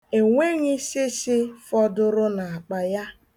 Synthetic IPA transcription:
e˨ŋʷe˦ɣi˦sɪ˦sɪ˦fɔ˦dʊ˦ɾʊ˦na˨a˨k͡pa˨ja˦

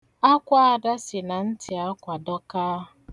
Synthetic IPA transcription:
a˦kʷa˦a˨da˦sɪ˨na˨n̩˦tɪ˨a˦kʷa˨dɔ˦kaː˦˨

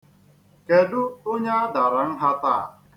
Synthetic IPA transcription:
ke˨du˦ʊ˦ɲa˦da˨ɾa˨˦ŋ̩˦ɦa˦t̪a̰˦˨

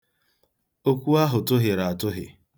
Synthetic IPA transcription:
o˦kʷu˦a˦ɦʊ˨tʊ˦ɦɪ˨ɾa˨a˨tʊ˦ɦɪ̰˨

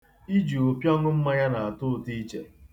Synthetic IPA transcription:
i˦d͡ʒu˨o˨pjɔ˦ŋʊ˦m̩˦ma˦ja˦na˨a˨tʊ˦˨ti˦t͡ʃḛ˨

